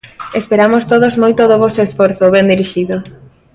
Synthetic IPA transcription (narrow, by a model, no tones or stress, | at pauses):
espeɾamʊst̪oðozmojt̪ʊðoβɔsoesfoɾθoβɛnd̪iɾiʃiðʊ